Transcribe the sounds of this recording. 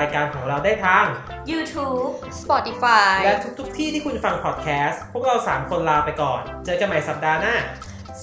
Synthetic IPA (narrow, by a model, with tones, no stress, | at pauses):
jkaː˧nkʰɔː˩˦ŋɾa˧wdaː˥˩jt̪ʰa˦˥˩ŋ | juː˧t̪ʰuː˦˥p̚spɔ˨˩t̪i˧faː˧lɛ˦˥t̪ʰu˦˥k̪̚ʰu˦˥k̚t̪ʰiː˥˩t̪ʰiː˥˩kʰu˧nfa˧ŋpʰɔ˨˩t̪̚kʰɛː˦˥spʰu˥˩k̚ɾa˧wsaː˩˦mkʰo˧nlaː˧wpa˧jkɔː˨˩nt͡ɕɤː˧ka˧nma˨˩˦jsa˨˩p̚daː˧naː˥˩